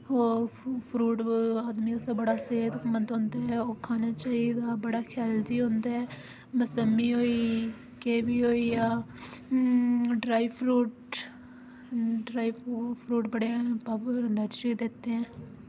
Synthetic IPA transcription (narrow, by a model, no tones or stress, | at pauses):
oːpʰɾuːʈaːd̪miːəsd̪aːbəɽaːseːt̪kmənd̪ɦõːnd̪aːɦɛoːkʰaːnaːt͡ʃaːid̪aːbəɽaːkʰaːld͡ʒiːɦõːnd̪aːɛː | məsəmːiːɦoːiː | keːbiːɦoːiːjaː | ɖɾaːipʰɾuːʈ | ɖɾaːiːpʰɾuːʈbəɽeːɛ̃pəbənəɾd͡ʒid̪ɪt̪ːeɛ̃ː